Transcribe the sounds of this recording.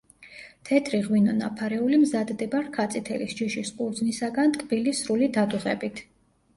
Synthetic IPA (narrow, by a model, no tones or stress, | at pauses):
t̪ʰɛt̪ʰɾiʁwinɔna̰pʰaɾɛulimzad̪d̪ɛbaɾkʰat̪sʼit̪ʰɛlisd͡ʒiʃisqʼuɾd̪znisaɡant̪kʼb̥ilisɾulid̪ad̪uʁɛ̰bit̪ʰ